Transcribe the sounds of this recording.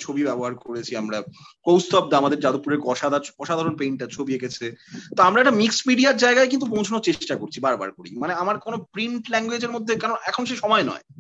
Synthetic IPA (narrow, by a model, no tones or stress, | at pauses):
t͡ɕʰobibɛboɦaɾkoɾet͡ɕʰiamɾakowst̪ɔp̚d̪aamad̪eɾd͡ʑad̪opːuɾeɾkɔʃad̪aɾɔʃad̪ʱaɾonpejɳʈat͡ɕʰobiekʰet͡ɕʰet̪oamɾaɛkʈamiksmiɖiaɾd͡ʑaeɡaek̬int̪̬upõt͡ɕʰonoɾt͡ɕeʃʈakoɾt͡ɕʰibaɾba̰ɾkoɾḭmaneamaɾkonopɾiɳʈlɛŋɡwed͡ʑeɾmod̪ʱːekɛɾonʔɛkʰonoʃeʃɔmɔenɔ̰e